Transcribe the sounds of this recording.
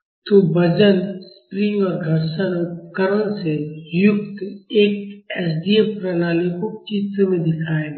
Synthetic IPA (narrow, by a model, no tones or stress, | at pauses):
t̪obɐd͡ʒənspɾiʋaɡʱɐɾʃanokəɾənsejʊk̚t̪eːk̚ɛs̬d̪iepɾənaːlekot͡ʃiːt̪mẽd̪ɪkʰaːẽ